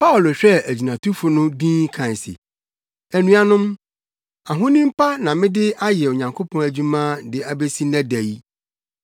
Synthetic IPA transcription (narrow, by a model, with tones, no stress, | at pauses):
pʰa˦ʊ˨lo˨ɕᶣɛ˦æ˨d͡ʑi˨nã˨tʰu˦fʊ˨nʊ̃˦bĩː˦kʰã˨n˨sɪ̰˨ | æ˨nũ˦a˨nʊ̃˦m | a˨ɦʊ̃˦nĩ˦m̩˦pʰa˦nã˨mɪ̃˦dɪ˦a˦jɛ˨o˨ɲã˨ŋkʰo˦pʰɔ̃˦æ˨d͡ʑᶣũ˦mãː˦dɪ˨a˨be˦si˦næ̃˦dæ˨ji˦